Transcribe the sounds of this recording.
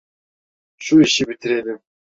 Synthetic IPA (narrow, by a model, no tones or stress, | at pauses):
ʃuiʃɪbit̪ʰɪɾed̪ɪ